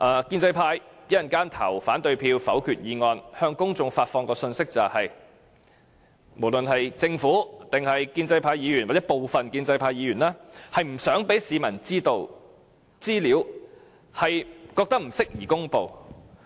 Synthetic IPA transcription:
ʔaː˨˧kiː˧nt͡sɐ˧jpʰaː˧jjɐ˥jɐ˨nkaː˥nt̪ʰɐ̰˨˩wfaː˨˥nt̪ɵ˧ɥpʰiː˧wfɐ̰˨˥wkʰyː˨t̚jiː˨˧ŋɔː˧nhœː˧ŋkʊ˥ŋt͡sʊ˧ŋfaː˧t̚fɔː˧ŋkɔː˧sɵ˧nsɪ˥k̚t͡sɐ˨˩whɐ˨j | mo˨˩wlɵ˨nhɐ˨jt͡sɪ˧ŋfuː˨˥t̪ɪ˨˩ŋhɐ˨jkiː˧nt͡sɐ˧jpʰaː˧jːiː˨˧jy˨˩nwaː˨t͡sɛ˨˥po˨wfɐ˨nkiː˧nt͡sɐ˧jpʰaː˧jiː˨˧jyː˨˩nlaː˥hɐ˨jm̩˨˩sœː˨˥ŋpe˨˥jsiː˨˧mɐ˨˩nt͡siː˥t̪o˧w | t͡siː˥liː˨˥w | hɐ˨jkɔː˧k̚t̪ɐ˥k̚m̩˨˩sɪ˥k̚jiː˨˩kʊ˥ŋpo˨w

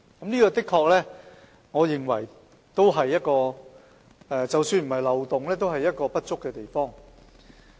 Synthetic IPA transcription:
kɐ˦˥mniː˥kɔː˧t̪ɪ˥kʰːɔː˧k̚lɛː˥ | ŋɔː˨˧jɪ˨˩ŋwɐ̰˨˩j | t̪o˥wɦɐ˨jːɐ˥t̚kɔː˧ | ɛː˨˧t͡sɐ˨wsyː˧nm̩˨˩hɐ˨jlɐ˨wt̪ʊ˨ŋlɛː˥t̪o˥wɦɐ˨jːɐ˥t̚kɔː˧pɐ˥t̚t͡ʃʊ˥kːɛː˧t̪e˨jfɔː˥ŋ

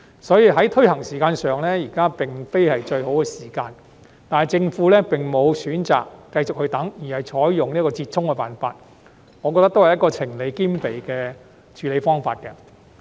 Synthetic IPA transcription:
sɔː˨˥jiː˧ɦɐ˨˥jt̪ʰɵ˥ɥhɐ˨˩ŋsiː˨˩kaː˧nsœː˨˩ŋlɛː˥jiː˨˩kaː˥pɪ˨˩ŋfe˥jhɐ˨jt͡ʃɵ˧ɥho˨˥wkɛː˧siː˨˩kaː˧n | t̪aː˨nhɐ˨jt͡sɪ˧ŋfuː˨˥lɛː˥pɪ˨ŋmo˨˧wsyː˨˥nt͡sa̰ː˨kːɐ˧jt͡sʊ˨k̚hɵ˧t̪ɐ˨˥ŋjiː˨˩hɐ˨jt͡ʃʰɔː˨˥jjʊ˨ŋniː˥kɔː˧t͡siː˧t̚t͡ʃʰʊ˥ŋkɛ˧pa̰ː˨nfa̰ː˧t̚ | ŋɔː˨˧kɔ˧t̪ɐ˥k̚t̪hɐ˨jɐ˥kɔː˧t͡sʰɪ˨˩ŋle˨˧jkiː˥mpe˨jkɛː˧ | t͡ʃʰyː˨˧le˨˧jfɔː˥ŋfa̰ː˧t̚kɛ˧

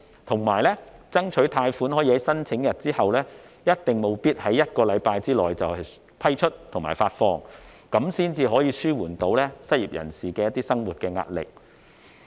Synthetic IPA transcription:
t̪ʰʊ˨˩ŋmaː˨˩jlɛː˥t͡sɐ˥ŋt͡ʃʰɵ˨˥ɥt̪ʰaː˧jfuː˨˥nɦɔː˨˥jːhɐ˨˥jsɐ˥nt͡sʰɪ˨˥ŋjɐ˨t̚t͡siː˥hɐ˨wlɛː˥ | jɐ˥t̚t̪ɪ˨˩ŋmo˨˧wpiː˥t̚hɐ˨˥jːɐ˥t̚kɔː˧lɐ˨˧jpaː˧jt͡siː˥lɔ̰ː˨˩jt͡sɐ˨whɐ˨j | pʰɐ˥jt͡ʃʰɵ˥t̚t̪ʰʊ˨˩ŋmaː˨˩jfaː˧t̚fɔː˧ŋ | kɐ˨˥msiː˥nt͡siː˧ɦɔː˨˥jiː˧syː˥wuː˨˩nt̪o˨˥wlɛː˥sɐ˥t̚jḭː˨p̚jɐ̰˨˩nsiː˨˩kɛː˧jɐ˥t̪iː˥sɐ˥ŋwuː˨t̚kɛː˧ŋa̰ː˧t̚lɪ̰˨k̚

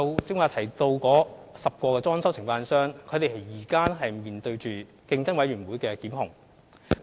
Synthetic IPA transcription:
ɐ˧wt͡sɪ˥ŋwaː˨˧t̪ʰɐ˨˩jt̪o˧wkɔː˨˥sɐ˨p̚kʷɔː˧kɛː˧t͡sɔː˥nsɐ˥wsʰɪ˨˩ŋfaː˧nsœː˥ŋkʰɵ˨˧t̪e˨˩ɦɐ˨jjiː˨˩kaː˥nɦɐ˨jmiː˨˩nt̪ɵ˧ɥt͡ʃyː˨ | kɪ˧ŋt͡sɐ˥nwɐ˨˥jɥyː˨˩nwuː˨˥jkɛː˧kiː˨˥mɦʊ˨˩ŋ

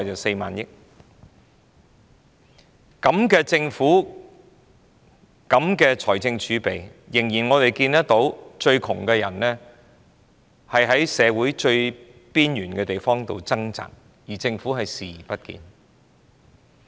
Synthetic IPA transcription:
jt͡sɐ˨˩se˧jma̰ː˨njɪ˥k̚ | kɐ˨˥mkɛː˧t͡sɪ˧ŋfuː˨˥ | kɐ˨˥mkɛː˧t͡ʃʰɔː˨˩jt͡sɪ˧ŋt͡ʃʰyː˨˥pe˨jjɪ˨˩ŋjiː˨˩nŋɔː˨˧t̪e˨jkiː˧nt̪ɐ˥t̚t̪o˨˥wt͡ʃɵ˧ɥkʰʊ˨˩ŋkɛː˧jɐ̰˨˩nnɛː˥ | hɐ˨jɦɐ˨˥jsɛː˨˧wuː˨˥jt͡ʃɵ˧ɥ | piː˥njyː˨˩nkɛ˧t̪e˨jfɔː˥ŋt̪o̰˨˧wt͡sɐ˥ŋt͡sa̰ː˨k̚ | jiː˨˩t͡sɪ˧ŋfu˨˥ɦɐ˨jsiː˨˩pɐ˥t̚kḭː˧n

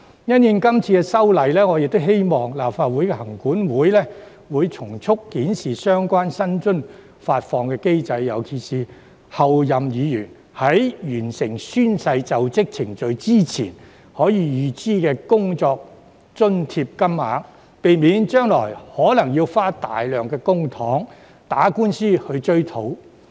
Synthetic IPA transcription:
jɐ˥njɪ˨˧ŋkɐ˥mt͡sʰiː˧kɛ˧sɐ˥wlɐ˨jlɛː˥ŋɔː˨˧jɪ˨k̚t̪ʊ˥wɦe˥jmɔː˨˩ŋlaː˨˩pfaː˧t̚wu˨˥jkɛ˧hɐ˨˩ŋkuː˨˥nwuː˨˥jlɛː˥ | wuː˨˧jt͡sʰʊ˨˩ŋt͡sʰʊ˥kːiː˨˥nsiː˨˩sœː˥ŋkʷwaː˥nsɐ˥nt͡ʃɵ˥n | faː˧t̚fɔː˨˧ŋkɛː˧ke˥jt͡sɐ˧jːɐ˨˩wkʰi˨˩siː˨˩ | hɐ˨wjɐ˨mjiː˨˧jyː˨˩n | hɐ˨˥jjyː˨˩nsɪ˨˩ŋsyː˥nsɐ˧jt͡sɐ˨wt͡sɪ˥k̚t͡sʰɪ˨˩ŋt͡sɵ˨ɥt͡siː˥t͡sʰḭː˨˩n | hɔː˨˥jiː˨˧jyː˨˧t͡siː˥kɛː˧kʊ˥ŋt͡sɔː˧k̚ | t͡ʃɵ˥nt̪ʰiː˧p̚kɐ˥mːaː˨˥ŋ | pe˨jmiː˨˧nt͡ʃœː˥ŋlɔː˨˩jhɔː˨˥lɐ˨˩ŋjiː˧wfaː˥t̪a̰ː˨jlœː˨ŋkɛː˧kʊ˥ŋt̪ʰɔː˨˥ŋ | t̪aː˨˥kuː˥nsiː˥hɵ˧ɥt͡ʃɵ˥ɥt̪ʰo˨˥w

